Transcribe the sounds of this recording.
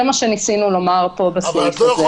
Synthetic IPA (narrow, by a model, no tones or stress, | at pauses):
emaʃenisinulo̞maʁpo̞besifze